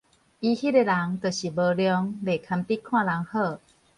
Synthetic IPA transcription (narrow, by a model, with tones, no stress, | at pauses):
ʔi˧hi˦˥˩e˧la˨˦ŋt̪ə˨˩ɕi˨˩bə˧ljɔ˧ŋle˨˩kʰa˧mp̪i˦˥kʰw̃ã˥˧˨la˨˦ŋhəː˥˧˩